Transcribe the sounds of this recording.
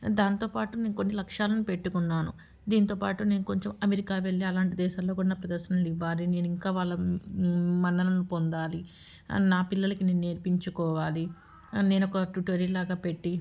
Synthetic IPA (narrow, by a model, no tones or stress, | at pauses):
d̪aːnt̪o̞ːpaːʈuneːnuko̞nːilɐkʂaːlɐnupe̞ʈːukunːaːnu | d̪iːnt̪o̞ːpaːʈune̞ːnuko̞ɲt͡ʃemɐmeɾikaːʋe̞ɭːiɐlaːɳʈid̪ɛːʃaːlːo̞ːkuːɽanpɾɐd̪ɐɾʃɐnɐnliʋːaːline̞ːnuiŋkaːʋaːɭːɐ | mɐnːɐlɐnupond̪aːli | naːpilːɐlɐkineːnune̞ːɾpiɲt͡ʃukɔːʋaːli | ne̞ːnɔkɐʈuʈʋɐɾilaːɡaːpe̞ʈːi